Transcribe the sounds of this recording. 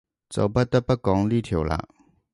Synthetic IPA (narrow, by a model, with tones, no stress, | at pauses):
t͡so̰˨˩pa˥˦t̪ə˦˥pa˦kɑ˨˥ŋli˥˨t̪ʰjo˨˩wla̰˧˦